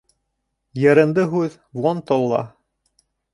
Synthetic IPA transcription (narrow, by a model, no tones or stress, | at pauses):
jɤ̆ɾɤ̆nd̪ɤɦʉð | vˠont̪olˠːɑ̰